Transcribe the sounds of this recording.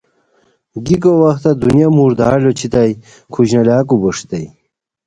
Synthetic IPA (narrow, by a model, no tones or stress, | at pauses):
ɡikowɐxt̪ad̪unjamuɾd̪aːlot͡ɕʰit̪aj | kʰuʑnɐlaːk̬ubuʂt̪ej